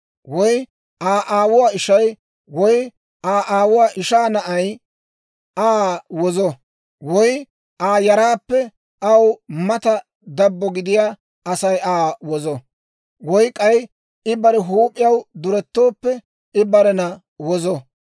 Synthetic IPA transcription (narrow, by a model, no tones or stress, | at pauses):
wɔj | ʔaːʔaːwʊwaːɪʃɐj | wɔj | aːʔaːwʊwaːʔɪʃaːnɐʔɐj | aːwɔzɔ | wɔj | aːjɐɾaːpːɛ | ʔɐwmɐt̪ɐ | d̪ɐbːɔɡɪd̪ɪjaː | ɐsɐjʔaːwɔzɔ | wɔjkʼɐj | ɪbɐɾɛɦuːpʼːɪjɐwd̪ʊɾɛt̪ːo̞ːpːɛ | ɪbɐɾɛnɐ | wɔzɔ